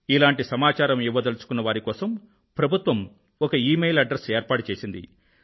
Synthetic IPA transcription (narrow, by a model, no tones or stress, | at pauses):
ilaːɳʈisɐmaːt͡ʃaːɾɐmiʋːɐd̪ɐlut͡ʃu̥kunːɐʋaːɾikɔːsɐm | pɾɐbʱut̪ʋɐm | ɔkɐiːmejlɐɖɾeseːɾpaːʈut͡ʃeːsind̪ḭ